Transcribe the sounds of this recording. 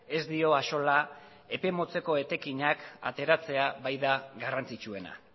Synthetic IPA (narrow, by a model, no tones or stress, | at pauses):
e̞zd̪io̞aso̞la | e̞pe̞mo̞t͡se̞ko̞e̞t̪e̞kiɲaka̰t̪e̞ɾat͡se̞aβajðaɣarant͡sit͡ʃue̞na̰